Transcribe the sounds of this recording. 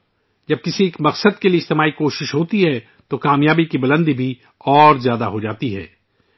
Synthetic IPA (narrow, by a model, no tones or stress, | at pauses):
d͡ʒɐb̚kɪsieːkmɐqsəd̪̚kelieɪst̪emaːikoːʃɪʃɦoːt̪iɦɛ | t̪okaːmjaːbikibɐlə̃nd̪ibʱi | ɔːɾzjaːd̪aɦod͡ʒaːt̪iɦɛ̰ː